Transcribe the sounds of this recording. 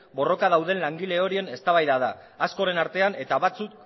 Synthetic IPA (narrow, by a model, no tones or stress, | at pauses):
bo̞ro̞kað̞awðe̞nlaŋɡile̞o̞ɾie̞ne̞st̪aβajðaðaː | skoɾe̞naɾt̪e̞ane̞t̪aβat͡suk